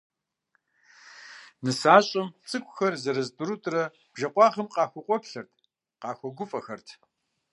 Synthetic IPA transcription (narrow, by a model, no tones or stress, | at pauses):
nɨsaːɕʼɐmt͡sʼɨkʷʼxɐrzɐɾɐztʰʼuɾutʼrɐ | b̥ʒɐqʷʼɑːʁɐmqɑːxʷɔqʷʼɔkɬɐrtʰ | qɑːxʷɔɡʷʊfʼɐxɐrtʰ